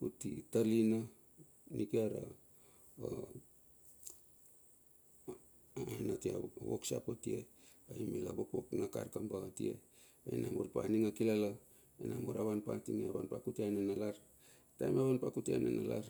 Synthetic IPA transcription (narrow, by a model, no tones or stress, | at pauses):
kutitalina | nikiaɾa̰ | natiawo̰ksa̰potieaimilabokboknaka̰ɾkambaatḭe̞̰ | ainamoɾpa̰niŋakilala | enamoɾaβanpatiŋeaβanpakutianenalaɾ | tajmaβanpakutia̰nenalaɾ